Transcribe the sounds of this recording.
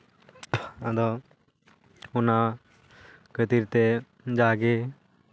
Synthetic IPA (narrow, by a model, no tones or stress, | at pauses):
ad̪ɔ | ɔna | kət̪iɾt̪ɛ | d͡ʒaɡɛ